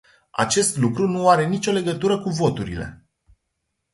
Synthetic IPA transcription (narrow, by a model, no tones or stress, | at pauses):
a̰t͡ʃe̞st̪lukɾunuaɾe̞nit͡ʃʲo̞le̞ɡət̪uɾəkuvo̞t̪uɾile̞̰